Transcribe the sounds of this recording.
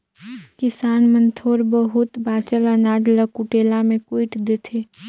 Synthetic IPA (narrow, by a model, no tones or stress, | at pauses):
kɪsaːnmə̃nt̪ʰoːɾbəɦʊt̪baːt͡ʃələnaːd͡ʒləkuʈeːlamẽkwiɪʈd̪et̪ʰeː